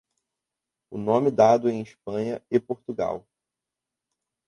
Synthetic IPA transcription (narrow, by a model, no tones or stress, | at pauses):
ʊnõmɪd̪ad̪ʊẽj̃iʃpɐ̃ɲɐɪpoɾt̪uɡa̰w